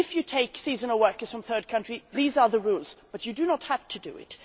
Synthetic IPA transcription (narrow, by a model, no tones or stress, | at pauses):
ɪfjɨtʰeɪksizə̃nəwɜ˞kəz̥fɹʌ̃mθɜ˞d̚kʰʌ̃nt͡ʃɹ̥iðizə˞ðəɹulˠz̥b̥ʌt͡ʃɨdɨnət̚hæv̥tʰɨdɨ̰ɪ̰t